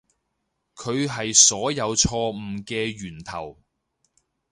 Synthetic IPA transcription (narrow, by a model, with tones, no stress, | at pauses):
kʰɵ˨˧ɥɦɐ˨jsɔː˨˥jɐ˨˧wt͡ʃʰɔː˧m̩˨˩kɛː˧ɥyː˨˩nt̪ʰɐ˨˩w